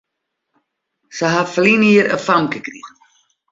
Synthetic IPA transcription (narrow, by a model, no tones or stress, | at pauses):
səɦafəliniəɾə̰famkəkrḭ